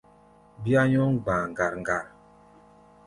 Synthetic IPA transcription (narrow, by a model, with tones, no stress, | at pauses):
bi˦a˦ɲɔ˦ŋɡ͡ba˨ŋ˨ɡa˨ɾŋ˨ɡa˨ɾ